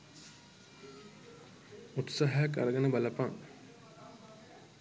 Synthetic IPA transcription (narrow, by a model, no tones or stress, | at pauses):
ut̪saɦajaka̰ɾəɡanəbalapaŋ